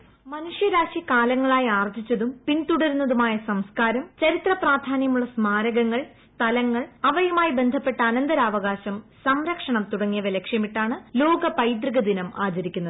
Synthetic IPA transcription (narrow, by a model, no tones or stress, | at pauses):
mɐnuʂjɐɾaːɕikaːlɐŋːɐɭaːjaːrd͡ʑit͡ɕːɐðumpint̪uɽɐɾunːɐðumaːjɐsɐmskaːɾɐmt͡ɕɐɾit̪rɐpraːd̪ʱaːnjɐmuɭːɐsmaːɾɐɣɐŋːɐɭ | t̪ɐlɐŋːɐɭɐʋɐjɐmaːjibe̞nd̪ʱɐpːe̞ʈːɐɐnɐnd̪ɐɾaːʋɐɣaːɕɐmsɐmɾɐkʂɐɳɐmt̪uɽɐŋːijɐʋɐlekʂjɐmiʈːaːɳɨlo̞ːɡɐpɐjd̪riɣɐd̪inɐmaːd͡ʑɐɾikʲːunːɐðɨ